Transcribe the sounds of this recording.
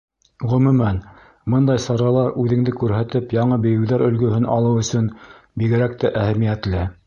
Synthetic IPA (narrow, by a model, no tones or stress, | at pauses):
ʁɵ̆mʉ̆mæn | mɤnd̪ɑjsɑɾɑlˠɑɾʉðɘ̆ŋd̪ɘkʉɾɦæt̪ɘpjɑɴɤbɘ̆jɘ̆wðæɾɵ̆lɡɵ̆ɦɘnʔɑ̰lˠɤwɵ̆sɵn | biɡɘ̆ɾæk̚t̪æʔæhæmijæt̪lɘ